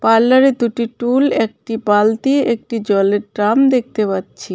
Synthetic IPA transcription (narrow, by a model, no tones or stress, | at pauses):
paɾlːaɾed̪uʈiʈulek̚ʈibalt̪ieʔek̚ʈid͡ʑɔleɾʈɾamd̪ek̚t̪epatːɕʰi